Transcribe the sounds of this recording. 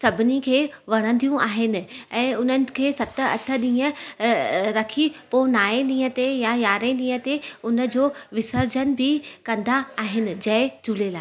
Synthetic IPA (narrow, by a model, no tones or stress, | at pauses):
sɐbʱɪnikʰeːʋɐɽ̃ə̃nd̪ʱijũaːɦɪnɪ̆ɛ̃ːʊn̤ənɪ̆kʰeːsɐt̪ə̆ɐ̰ʈʰə̆ɗĩːə̃ | ɾɐkʰipoːnaːẽɗĩːə̃̆t̪ejajaːɾẽɗĩːət̪eʊnə̆d͡ʑoːʋɪsəɾd͡ʑənbʱɪkɐ̃nd̪aːɦɪnɪ̆d͡ʑɐɪd͡ʑuːlelaː